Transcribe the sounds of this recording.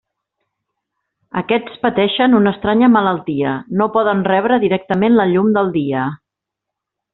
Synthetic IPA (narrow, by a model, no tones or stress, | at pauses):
əkɛt͡spət̪ɛʃənunəːst̪ɾaɲəmələlˠt̪iənopɔðənrɛβ̞ɾəðiɾɛk̚t̪əmenləʎumd̪əlˠd̪iə